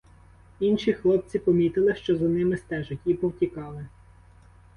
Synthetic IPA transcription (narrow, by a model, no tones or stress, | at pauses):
inʃixlˠɔp̚t͡sʲipɔmʲit̪ɪlˠɪʃt͡ʃɔzɐnɪmɪst̪ɛʒʊtʲipɔwtʲikɑlˠɪ